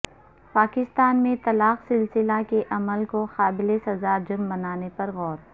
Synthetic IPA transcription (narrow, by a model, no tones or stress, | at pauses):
paːkɪst̪aːnmẽt̪ɐlaːqsɪlsɪlakeʔɐməlkoxaːbɪlesɐzaːd͡ʒʊɾmbɐnaːnepɐɾɣɔːɾ